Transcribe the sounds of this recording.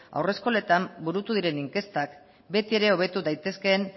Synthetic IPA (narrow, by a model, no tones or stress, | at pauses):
a̰wre̞sko̞le̞t̪ambuɾut̪uðiɾe̞niŋke̞st̪ak | be̞t̪ie̞ɾe̞o̞β̞e̞t̪uðajt̪e̞sken